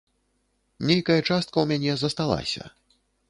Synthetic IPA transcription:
nʲejkɐjɐt͡ʂast̪̚kɐwmʲanʲɛzɐst̪alˠa̰sʲɐ̰

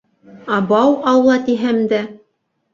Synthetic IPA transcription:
ɑbɑwɑwlˠɑt̪iɦæmd̪æ

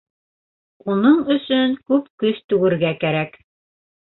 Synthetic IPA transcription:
unɤɴɵ̆sɵŋkʉpkɵʃt̪ʉɡɘ̆ɾɡækæɾæk

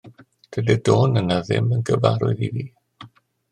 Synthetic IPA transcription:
d̥ədɛdoːnənaðɪ̰mənɡəva̰ɾʊɨðiviː

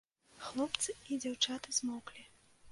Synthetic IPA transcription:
xlˠɔpt̪sɨid͡zʲawt͡ʂat̪ɨzmɔklʲi

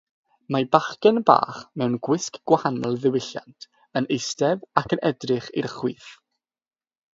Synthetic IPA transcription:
mabaχkɛnba̰ːχmɛwnɡwɪskɡ̥wahanɔlˠðɪwɪɬja̰ntʰ | ənejstɛvakʰənʔɛdrɨχirχwiːθ

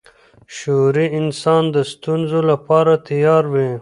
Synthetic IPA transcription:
ʃoɾiɪnsɑːnd̪əst̪unzolapɑːɾat̪ijɑːɾwi

